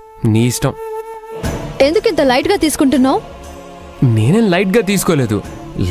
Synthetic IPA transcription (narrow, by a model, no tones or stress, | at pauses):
niːsʈɐm | e̞nd̪ukint̪ɐlɐjʈɡaːt̪iːsu̥kuɳʈunːaːw | neːneːnlɐjʈ̚ɡaːt̪̬iːs̬u̥koːle̞ːd̪ṵ | l